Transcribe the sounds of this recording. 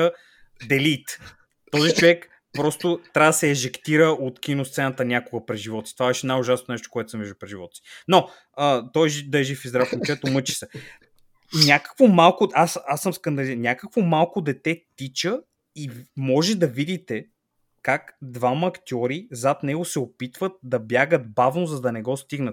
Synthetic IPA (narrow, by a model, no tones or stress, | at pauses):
ə | d̪ɛlit̪ | t̪ːɔzit͡ʃovɛk | pɾɔst̪ʊt̪ɾavd̪ɐsɛːʒɛkt̪iɾəʔot̪k̟inʊst̪sɛnət̪ənʲjakʊɡəpɾɛʒivɔt̪si̥t̪ovabɛʃɛnajʊʒasnonɛʃt̪ʊ̥koɛt̪ʊ̥səmvɛʒd̪upɾɛʒivɔt̪ə̥si̥no | ət̪ɔjʒd̪ɐɛʒifizd̪ɾafmt͡ʃɛt̪ʊmɤt͡ʃi̥sɛ | nʲakə̥kvomalˠkʊasasːəmskɐnd̪ɐlinʲakəkvomalˠkʊd̪ɛt̪ɛt̪it͡ʃə | imɔʒɛd̪ɐvid̪it̪ɛ | kakd̪vamɐkt̪ʲiɔɾizat̪nɛɡʊsɛopit̪vət̪̚d̪ɐbjaɡət̪̚bavnozɐd̪ɐnɛɡɔst̪iɡnət̪